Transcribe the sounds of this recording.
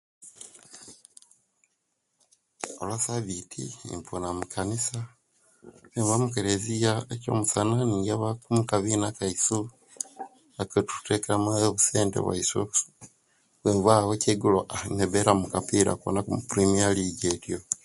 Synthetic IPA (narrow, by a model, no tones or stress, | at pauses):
o̰lwasaβitʰḭḭɱponamukʰanisa | βeɱβamukeɾezijaeco̞̰musananiːŋɡaβakumukaβinakaisu | akotu̥tekeɾamaβuseːntḛβwa̰iso | βeːɱvwaːwoceɡuloʔaneβeɾamukapiɾa̰ko̰nakumupɾimialiɟeːtjo̞